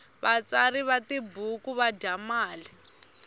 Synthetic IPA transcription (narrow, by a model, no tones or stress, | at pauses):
βat͡saɾiβatibukuβaɟʱamaːli